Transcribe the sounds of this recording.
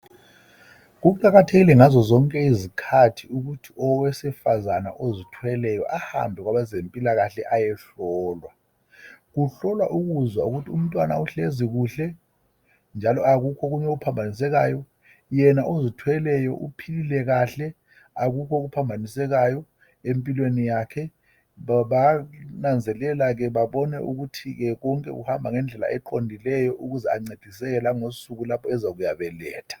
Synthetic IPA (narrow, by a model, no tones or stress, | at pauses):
ɣ̬uǃʼaɣatʰeɣilɛŋazɔzɔŋkʼɛizikʰatʰiuɣutʰiʔɔwesifazana̰ʔozitʰwɛlɛjɔ̰ʔaha̰mbʱɛkɣwaɓazempʼilaɣaɬɛʔajɛɬɔːlwa | ɣuɬɔlwa̰ʔuɣuzwauɣutʰium̩tʼwana̰uɬeziɣ̬uːɬɛ | nd͡ʒʱalɔʔaɣukʰɔɣuɲɛkupʰambʱanis̬ɛɣ̬aːjɔ | jɛnaʔozitʰwɛlɛjɔ̰ʔupʰililɛɣaɬɛ | aɣukʰɔɣupʰambʱanisɛɣajɔ | empʼilwenijaːkʰɛ | βanand͡zʱɛlɛlaɣɛβaβɔnɛ̰ʔṵɣutʰiɣɛɣɔŋkʼɛ̰ɣṵhambʱaŋɛnd͡ɮʱɛla̰ʔɛǃondʱilɛjɔʔuɣuzɛaŋ͡ǀed̥ʱisɛɣɛlaŋosuɣulapʰɔɛzaɣujaβɛlɛ̰ːtʰḁ